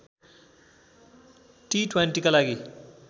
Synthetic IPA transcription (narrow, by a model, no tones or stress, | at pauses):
ʈiʈʰwenʈikolaɡi